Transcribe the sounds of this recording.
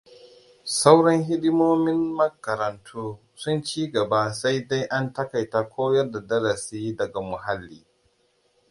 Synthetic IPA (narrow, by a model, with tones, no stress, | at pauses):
sa˦wɽɐ˦ŋɦɪ˦ɗɪ˦moː˦mɪ˦mːɐ˦kɐ˨ɾɐ˨ntʰuː˦ | sʊ˦nt͡ʃiː˦ɡɐ˨baː˦sa˦jda˦jʔa˦ntɐ˦ka˨jtaː˦kʷʰoː˦jɐ˦rda˨dɐ˦ɾɐ˨siː˦dɐ˨ɡa˨mʊ˨ɦa˦lːiː˦